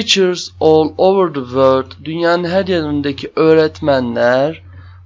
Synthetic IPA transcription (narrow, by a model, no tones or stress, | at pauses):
it͡ʃʰəɾzoːlˠovəɾd̪əvøld̪d̪ynjaːnɯnɦæɾjanɯnd̪acʰiʔøɾɛt̪mænlʲæɾ